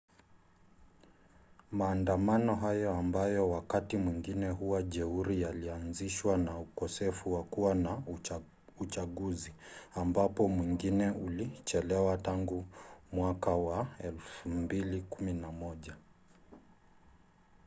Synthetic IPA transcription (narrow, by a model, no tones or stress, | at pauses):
maːndamanɔɦajɔambajɔwakatimwiŋɡinɛɦuwaʄɛuɾijalianziʃwanaukɔsɛfuwakuwana | ut͡ʃaɠuziambapɔmwiŋɡinɛʔulit͡ʃɛlɛwataŋɡumwakawaɛlfumbilikuminamɔʄa